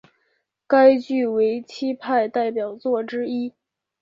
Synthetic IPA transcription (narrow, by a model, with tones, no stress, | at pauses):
ka˥ɪt͡ɕy˥˩we˧˥ɪt͡ɕʰi˥pʰa˥˧ɪt̪a˥˩ɪpjɑ˨˩ʊt͡swɔ˥˩ʈ͡ʂɻ̩˥i˥